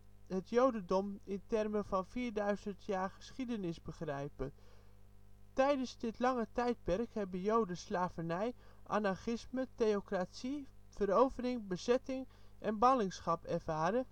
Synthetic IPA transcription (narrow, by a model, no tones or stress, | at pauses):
hətjowdədɔmɪntɛrməvɑnfiːɹdœɥzəntʰjaːɹχə̥sχidənɪsbəχrɛjpə | tɛjdənsdɪtlɑŋətɛjt̚pɛrkhɛbəjowdəslaːvənɛjʔa̰naχɪsmətejokrasifəɾowvərɪŋbəzɛtɪŋ | ʔɛnbɑlɪŋsχɑpɛrvaːɾə